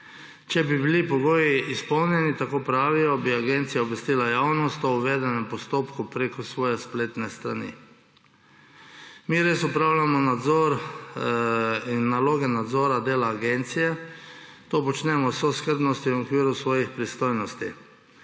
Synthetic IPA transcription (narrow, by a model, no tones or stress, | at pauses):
t͡ʃɛbibilipɔɡoːjiispɔwnjɛnit̪akoːpɾaːʋijɔbiaɡent̪sijaɔbʋɛst̪iːlajaːwnɔst̪ɔuʋed̪ɛnɛmpɔst̪oːpkupɾekɔsʋɔːjɛspleːt̪nɛst̪ɾa̰nḭ | miɾeːsupɾawlamɔnad̪zɔɾ | inːaloːɡɛnad̪zoːɾad̪eːlaːɡent̪sijɛ | t̪oːpɔt͡ʃnɛmɔsoskəɾb̪nɔst̪iwɔkʋiːɾusʋɔːjixpɾist̪oːjnɔst̪i